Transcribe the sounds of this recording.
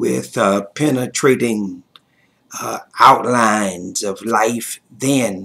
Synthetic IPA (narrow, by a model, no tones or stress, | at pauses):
wɪ̰ðʌpʰɛnɨtʰɹ̥eɪɾɪ̃ŋ | aʊʔˡlãɪ̃nzʌvlaɪfðɨ̃n